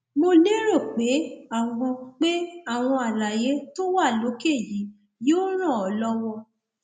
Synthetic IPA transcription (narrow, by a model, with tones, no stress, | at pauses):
mo˧le˦ɾo˦˨k͡pe˨˦a˦˨w̃ɔ̃˧k͡pe˦a˦˨w̃ɔ̃˧a˨la˨je˨˦to˦wa˦˨lo˨˦ke˦˨ji˨˦ | joː˦ɾ̃ã˦˨ɔ˨˦lɔ˦wɔ˧